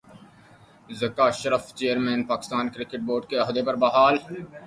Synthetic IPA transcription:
zɐkaːʃəɾəft͡ʃeːəɾmɛ̃ːnpaːkɪst̪aːnkɾɪkɪʈ̚boːɾɖkeɐɦd̪epɐɾbɐɦaːl

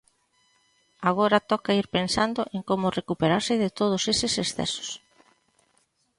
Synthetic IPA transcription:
aɣ̞oɾat̪ɔkaiɾpensand̪oʔeŋkomʊrekupeɾaɾsɪðet̪oð̞osesɪsesθɛ̰so̥s

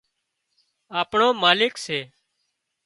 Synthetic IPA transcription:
aːpɳõːmaːlɪkseː

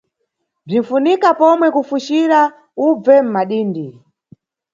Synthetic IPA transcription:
b͡ʐin̩funikapɔmwɛkufuʃiɾa | ub͡vɛm̩maɗiːndi

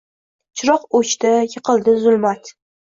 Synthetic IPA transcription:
t͡ʃʰʊɾɒqot͡ʃt̪ɪjɨqʰɨlˠd̪ɪzʊlˠmat̪

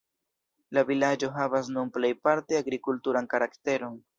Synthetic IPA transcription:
lavilad͡ʒo̞ɦavasnunple̞jpaɾteaɡɾikultuɾankaɾakte̞ɾo̞n

